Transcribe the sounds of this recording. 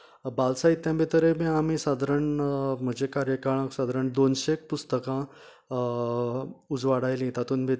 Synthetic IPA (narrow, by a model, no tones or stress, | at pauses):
balsait̪ːjãbʱet̪əɾebĩamisad̪ʱaɾəɳm̤əd͡ʑekaɾjəkaɭãksad̪ʱaɾəɳd̪onɕek̚pust̪əkã | ud͡zʋaɽajlĩt̪at̪uːnbʱe